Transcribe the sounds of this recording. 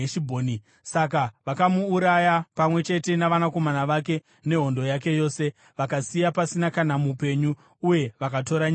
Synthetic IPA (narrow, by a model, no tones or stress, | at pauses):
eʃibʱoːni | sak̬aʋakamuːɾajapamwe̞t͡ʃe̞te̞naʋanako̞manaʋake̞ | ne̞ɦo̞ndo̞jak̬e̞jo̞ːse̞ | ʋakasijapasinakanamupe̞ɲu | uje̞ʋakato̞ɾaɲ